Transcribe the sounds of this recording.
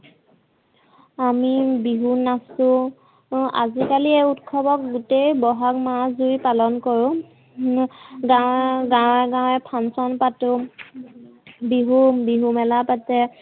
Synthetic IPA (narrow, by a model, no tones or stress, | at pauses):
amibiɦunasʊ̃ | a̰zikaliɛutkʰɔbɔk̚ɡutejbɔɦakmazuɹipalɔnkɔɹʊ̃ | ɡaɡãwɛɡãw̃ɛpʰansɔnpatʊ | biɦubiɦumɛlapatɛ